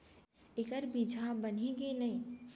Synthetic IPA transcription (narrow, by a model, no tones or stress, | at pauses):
ekəɾbid͡ʒʱabəniɡenɐĩ